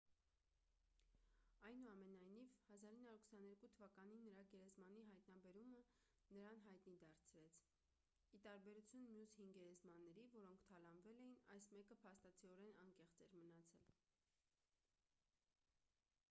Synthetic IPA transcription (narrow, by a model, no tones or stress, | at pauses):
ɑjnuɑmɛnɑjnivhɑzɑɾinːɑuɾkʰsɑnɛɾkut̪ʰəvɑkɑninːəɾɑɡɛɾɛzmɑniɦɑjt̪nɑbɛɾumə | nəɾɑnɦɑjt̪nid̪ɑɾt͡sʰɾɛt͡sʰ | it̪ɑɾbɛɾut͡sʰjunmjushiŋɡɛɾɛzmɑnːɛɾivɔɾɔŋkʰt̪ʰɑlɑnvɛlɛjinɑjsmɛkəpʰɑst̪ɑt͡sʰiɔɾɛnɑŋkɛχt͡sɛɾmənɑt͡sʰɛl